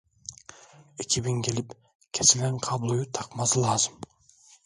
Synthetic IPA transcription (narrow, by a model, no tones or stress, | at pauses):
ekʲʰiβiŋke̞lip | kʲʰesileɴqʰɑblˠujut̪ʰɑqmɑzɯlˠɑːzɨm